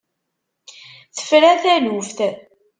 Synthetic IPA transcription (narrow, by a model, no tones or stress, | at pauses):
θə̥fɾæθælufθ